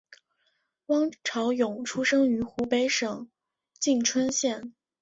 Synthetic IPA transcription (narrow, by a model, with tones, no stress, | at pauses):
wɑ˥ŋʈ͡ʂʰɑ˧˥ʊjʊ˨˩ŋʈ͡ʂʰu˥ʂɤ˥ŋy˧˥xu˧˥pe˧˥ɪʂɤ˨˩˦ŋ | t͡ɕi˥˩ŋʈ͡ʂʰwə˥nɕjɛ˥˩n